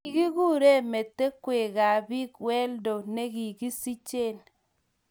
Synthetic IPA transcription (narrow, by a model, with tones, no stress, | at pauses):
i˨ɡi˦ɣu˦˨ɾe˦˨me˨tːe˦kwe˨ɣa˨bi˦kwɛ˦ldo˨ne˦ɣi˨ɡi˦si˦t͡ʃe˦˨l